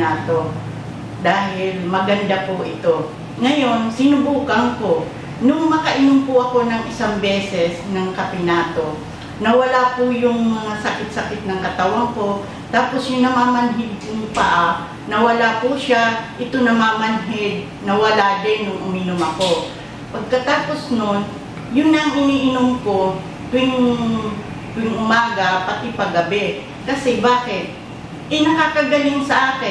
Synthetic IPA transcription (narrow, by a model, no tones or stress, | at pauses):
aːt̪o̞ | d̪aːɦɪlmɐɡɐnd̪apʊʔɪt̪o̞ | ŋɐjo̞nsɪnʊbuːkɐŋko̞ | nʊŋmɐkɐʔɪnʊmpʊʔɐko̞nɐŋʔɪsaŋbɛːsɛsnɐŋkɐpɪnaːt̪o̞ | nɐwɐlapʊjʊŋmɐasɐkɪt̪̚sɐkɪt̪̚nɐŋkɐt̪awaŋko̞ | t̪aːpo̞sjʊŋnɐmaːmɐnɦɪd̪̚jʊŋpɐʔa | nɐwɐlapuʃaʔɪt̪onɐmamɐnɦɪd̪̚ | nɐwɐlad̪ɛnjʊŋʔʊminomɐko̞ | pɐɡ̚kɐt̪aːpo̞snon | jʊnːɐŋɪniːʔɪnomko̞ | k̪ʊɪŋ | kʊɪŋʔʊmaːɡɐpɐt̪ɪpɐɡɐbɛ | kɐsɛbaːkɪt̪̚ | ʔɐjnɐkaːkɐɡɐlɪŋsɐʔaːkɪ